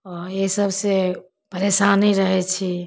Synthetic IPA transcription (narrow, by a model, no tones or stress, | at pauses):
ɔɾesəbʱse | pəɾesaniɾəɦɛt͡ʃʰi